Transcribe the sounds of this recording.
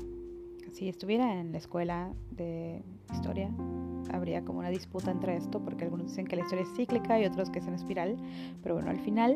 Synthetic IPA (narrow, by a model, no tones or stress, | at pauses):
siest̪uβje̞ɾaenlaeskwe̞laðe̞ | ist̪o̞̰ɾjaa̰βɾiakomounaðisput̪aent̪ɾee̞st̪opo̞ɾkealɣunozðise̞ŋke̞laist̪o̞ɾjaesːiklikaio̞t̪ɾo̞skeseanespiɾal | pe̞ɾoβweno̰alfinal